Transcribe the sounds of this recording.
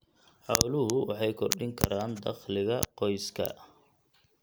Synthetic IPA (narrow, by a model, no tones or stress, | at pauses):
ħɑwlʊɦʊwɑ̰ħɑjkʰɔrɖɪŋkʰɐɾaːnd̪ɑχlɪɣɐqɔjskʰɐ̰